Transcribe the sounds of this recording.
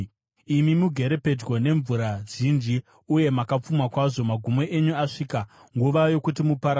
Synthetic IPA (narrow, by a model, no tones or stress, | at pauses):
imimuɡʱe̞ɾe̞pe̞d͡ʒwo̞ne̞ɱvuɾaʐind͡ʒi | uje̞makap͡fumakwaʐo̞maɡʱumo̞ʔeɲuaʂiːka | ŋɡuʋajo̞kut̬imupaɾa